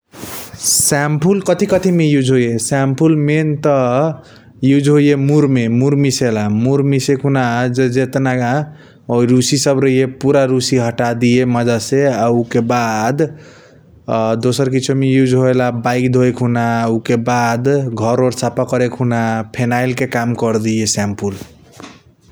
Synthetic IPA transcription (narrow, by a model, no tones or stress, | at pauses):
sampʰulkʌt̪ʰikʌt̪ʰimejud͡ʒɦojesampʰulment̪ʌ | jud͡ʒʱɦojemuɾmemuɾmiselamuɾmisekʰɦunad͡ʒed͡ʒet̪naɡã | oɾusisʌbɾəɦijepuɾaɾusiɦʌʈad̪ieməd͡ʒaseaukebad̪ | d̪osəɾkit͡ʃʰumejud͡ʒɦoelabaikd̪ʱojkʰunaukebad̪ɡʱʌɾoɾt͡ʃʰapakəɾekʰunapʰenailkekamkʌɾd̪ijesampʰul